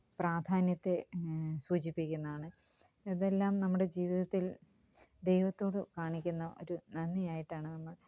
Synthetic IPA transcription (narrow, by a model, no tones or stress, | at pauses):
praːd̪ʱaːnjɐt̪ːe̞suːt͡ɕipːikʲːunːɐðaːɳɨ | ɐðe̞lːaːmnɐmːuɽe̞d͡ʑiːʋiðɐt̪ːil | d̪e̞jʋɐt̪ːo̞ːɽɨkaːɳikʲːunːɐʔo̞ɾunɐnːijaːjiʈːaːɳɨnɐmːɐɭ